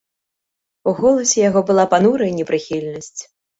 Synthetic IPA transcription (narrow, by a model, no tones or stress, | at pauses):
uɣɔlˠɐsʲɛjaɣɔbɨlˠapanuɾɐjnʲɛpɾɨxʲilʲnɐsʲt͡sʲ